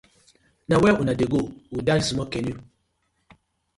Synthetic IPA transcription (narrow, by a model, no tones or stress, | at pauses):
nawɛʔunadeɡoudaɾsimɔkɛni